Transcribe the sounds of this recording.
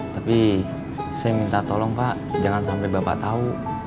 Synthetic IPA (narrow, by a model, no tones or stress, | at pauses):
t̪api | sajamint̪at̪ɔlɔŋpaʔ | d͡ʒaŋansampajbapa̰ʔt̪au